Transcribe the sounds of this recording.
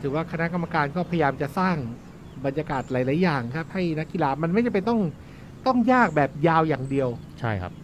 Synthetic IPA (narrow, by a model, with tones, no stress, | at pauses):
ɯː˩˦waː˥˩kʰa˧na˦˥ka˧mːa˧kaː˧nkɔː˥˩pʰa˧ja˧jaː˧mt͡ɕa˨˩ʔsaː˥˩ŋ | ba˧njaː˧kaː˨˩t̪̚la˧˥jlaː˩˦jːaː˨˩ŋkʰa˦˥p̚ha˥˩jna˦˥kːi˧˨laː˧˩ma˧nma˥˩ja˨˩pa˧nt̪ɔ˥˩ŋ | t̪ɔ˥˩ŋjaː˥˩k̚bɛː˨˩p̚jaː˧wjaː˨˩ŋdi˧əw | t͡ɕʰa˥˩jkʰa̰˦˥p̚